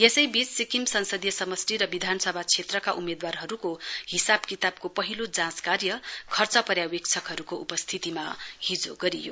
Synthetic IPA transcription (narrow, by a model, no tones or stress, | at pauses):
jesʌjbit͡ssikimsʌnsʌd̪jʌsʌmʌsʈiɾʌbid̪ʱanʌsʌbʱat͡sʰet̪rʌkaʔumed̪warɦʌɾukohisabkit̪ab̚kopʌɦilod͡zãskarjʌkʰʌrt͡sʌpʌɾjawekt͡sʰʌkɦʌɾukoʔupʌst̪ʰit̪imahid͡zo̰ɡʌɾijo̰